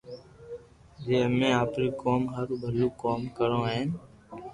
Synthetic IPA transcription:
d͡ʒeːəmẽːaːpɾiːkoːmɦəɾbʱəluːkoːmkəɾõːɦɛ̃ː

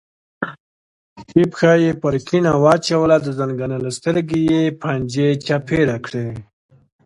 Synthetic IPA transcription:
ipxɑjepaɾkʰinawɑt͡ʃawəlad̪əzaŋɡanalast̪əɾɡejepʰand͡ʒet͡ʃapʰeɾakɽe

